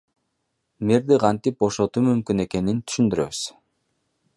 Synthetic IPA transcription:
meɾd̪iqʰɑnt̪ip̚bo̞ʃo̞t̪umymkyne̞ke̞nint̪ʰy̥ʃynd̪yɾø̞̰βyz̥

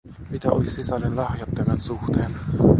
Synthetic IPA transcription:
mit̪æʔojsisɑlenlɑhjɑt̪ːemensuxt̪ʰen

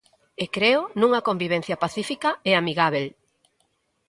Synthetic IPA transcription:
ekɾeʊnũŋɐkombiβ̞ɛn̟θjɐpaθifikɐeamiɣaβ̞el

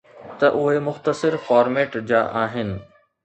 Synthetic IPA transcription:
t̪ɐʔʊɦemʊxt̪əsɪɾfaːɾmeːʈd͡ʑa̰ːʔaːɦɪnɪ̆

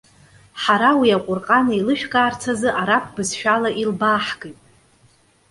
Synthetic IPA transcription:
ħaɾawiaqʷʼʊrqʼanailɨʃᶣɡʼaːrt͡sʰazɨʔaɾap̚ʰbɨzʃᶣalaʔilbaːħɡɨjtʼ

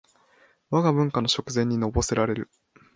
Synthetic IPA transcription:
βaɡabɯ̟̃ŋkano̞ɕo̞kɯ̟zẽ̞ɲ̟ːino̞bo̞se̞ɾaɾe̞ɾɯ̟

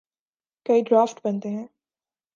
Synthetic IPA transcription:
kɐiɖɾaːfʈbɐ̃nt̪eɦɛ̃ː

